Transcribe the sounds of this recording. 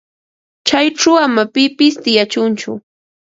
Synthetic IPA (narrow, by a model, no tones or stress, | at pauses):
t͡ʃajʈ͡ʂawamapɪpɪst̪ɪjat͡ʃʊnt͡ʃʊ̰